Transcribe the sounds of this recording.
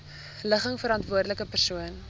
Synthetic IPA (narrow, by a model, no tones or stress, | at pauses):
ləχəŋfəɾɑntvuərdələkəpærsuən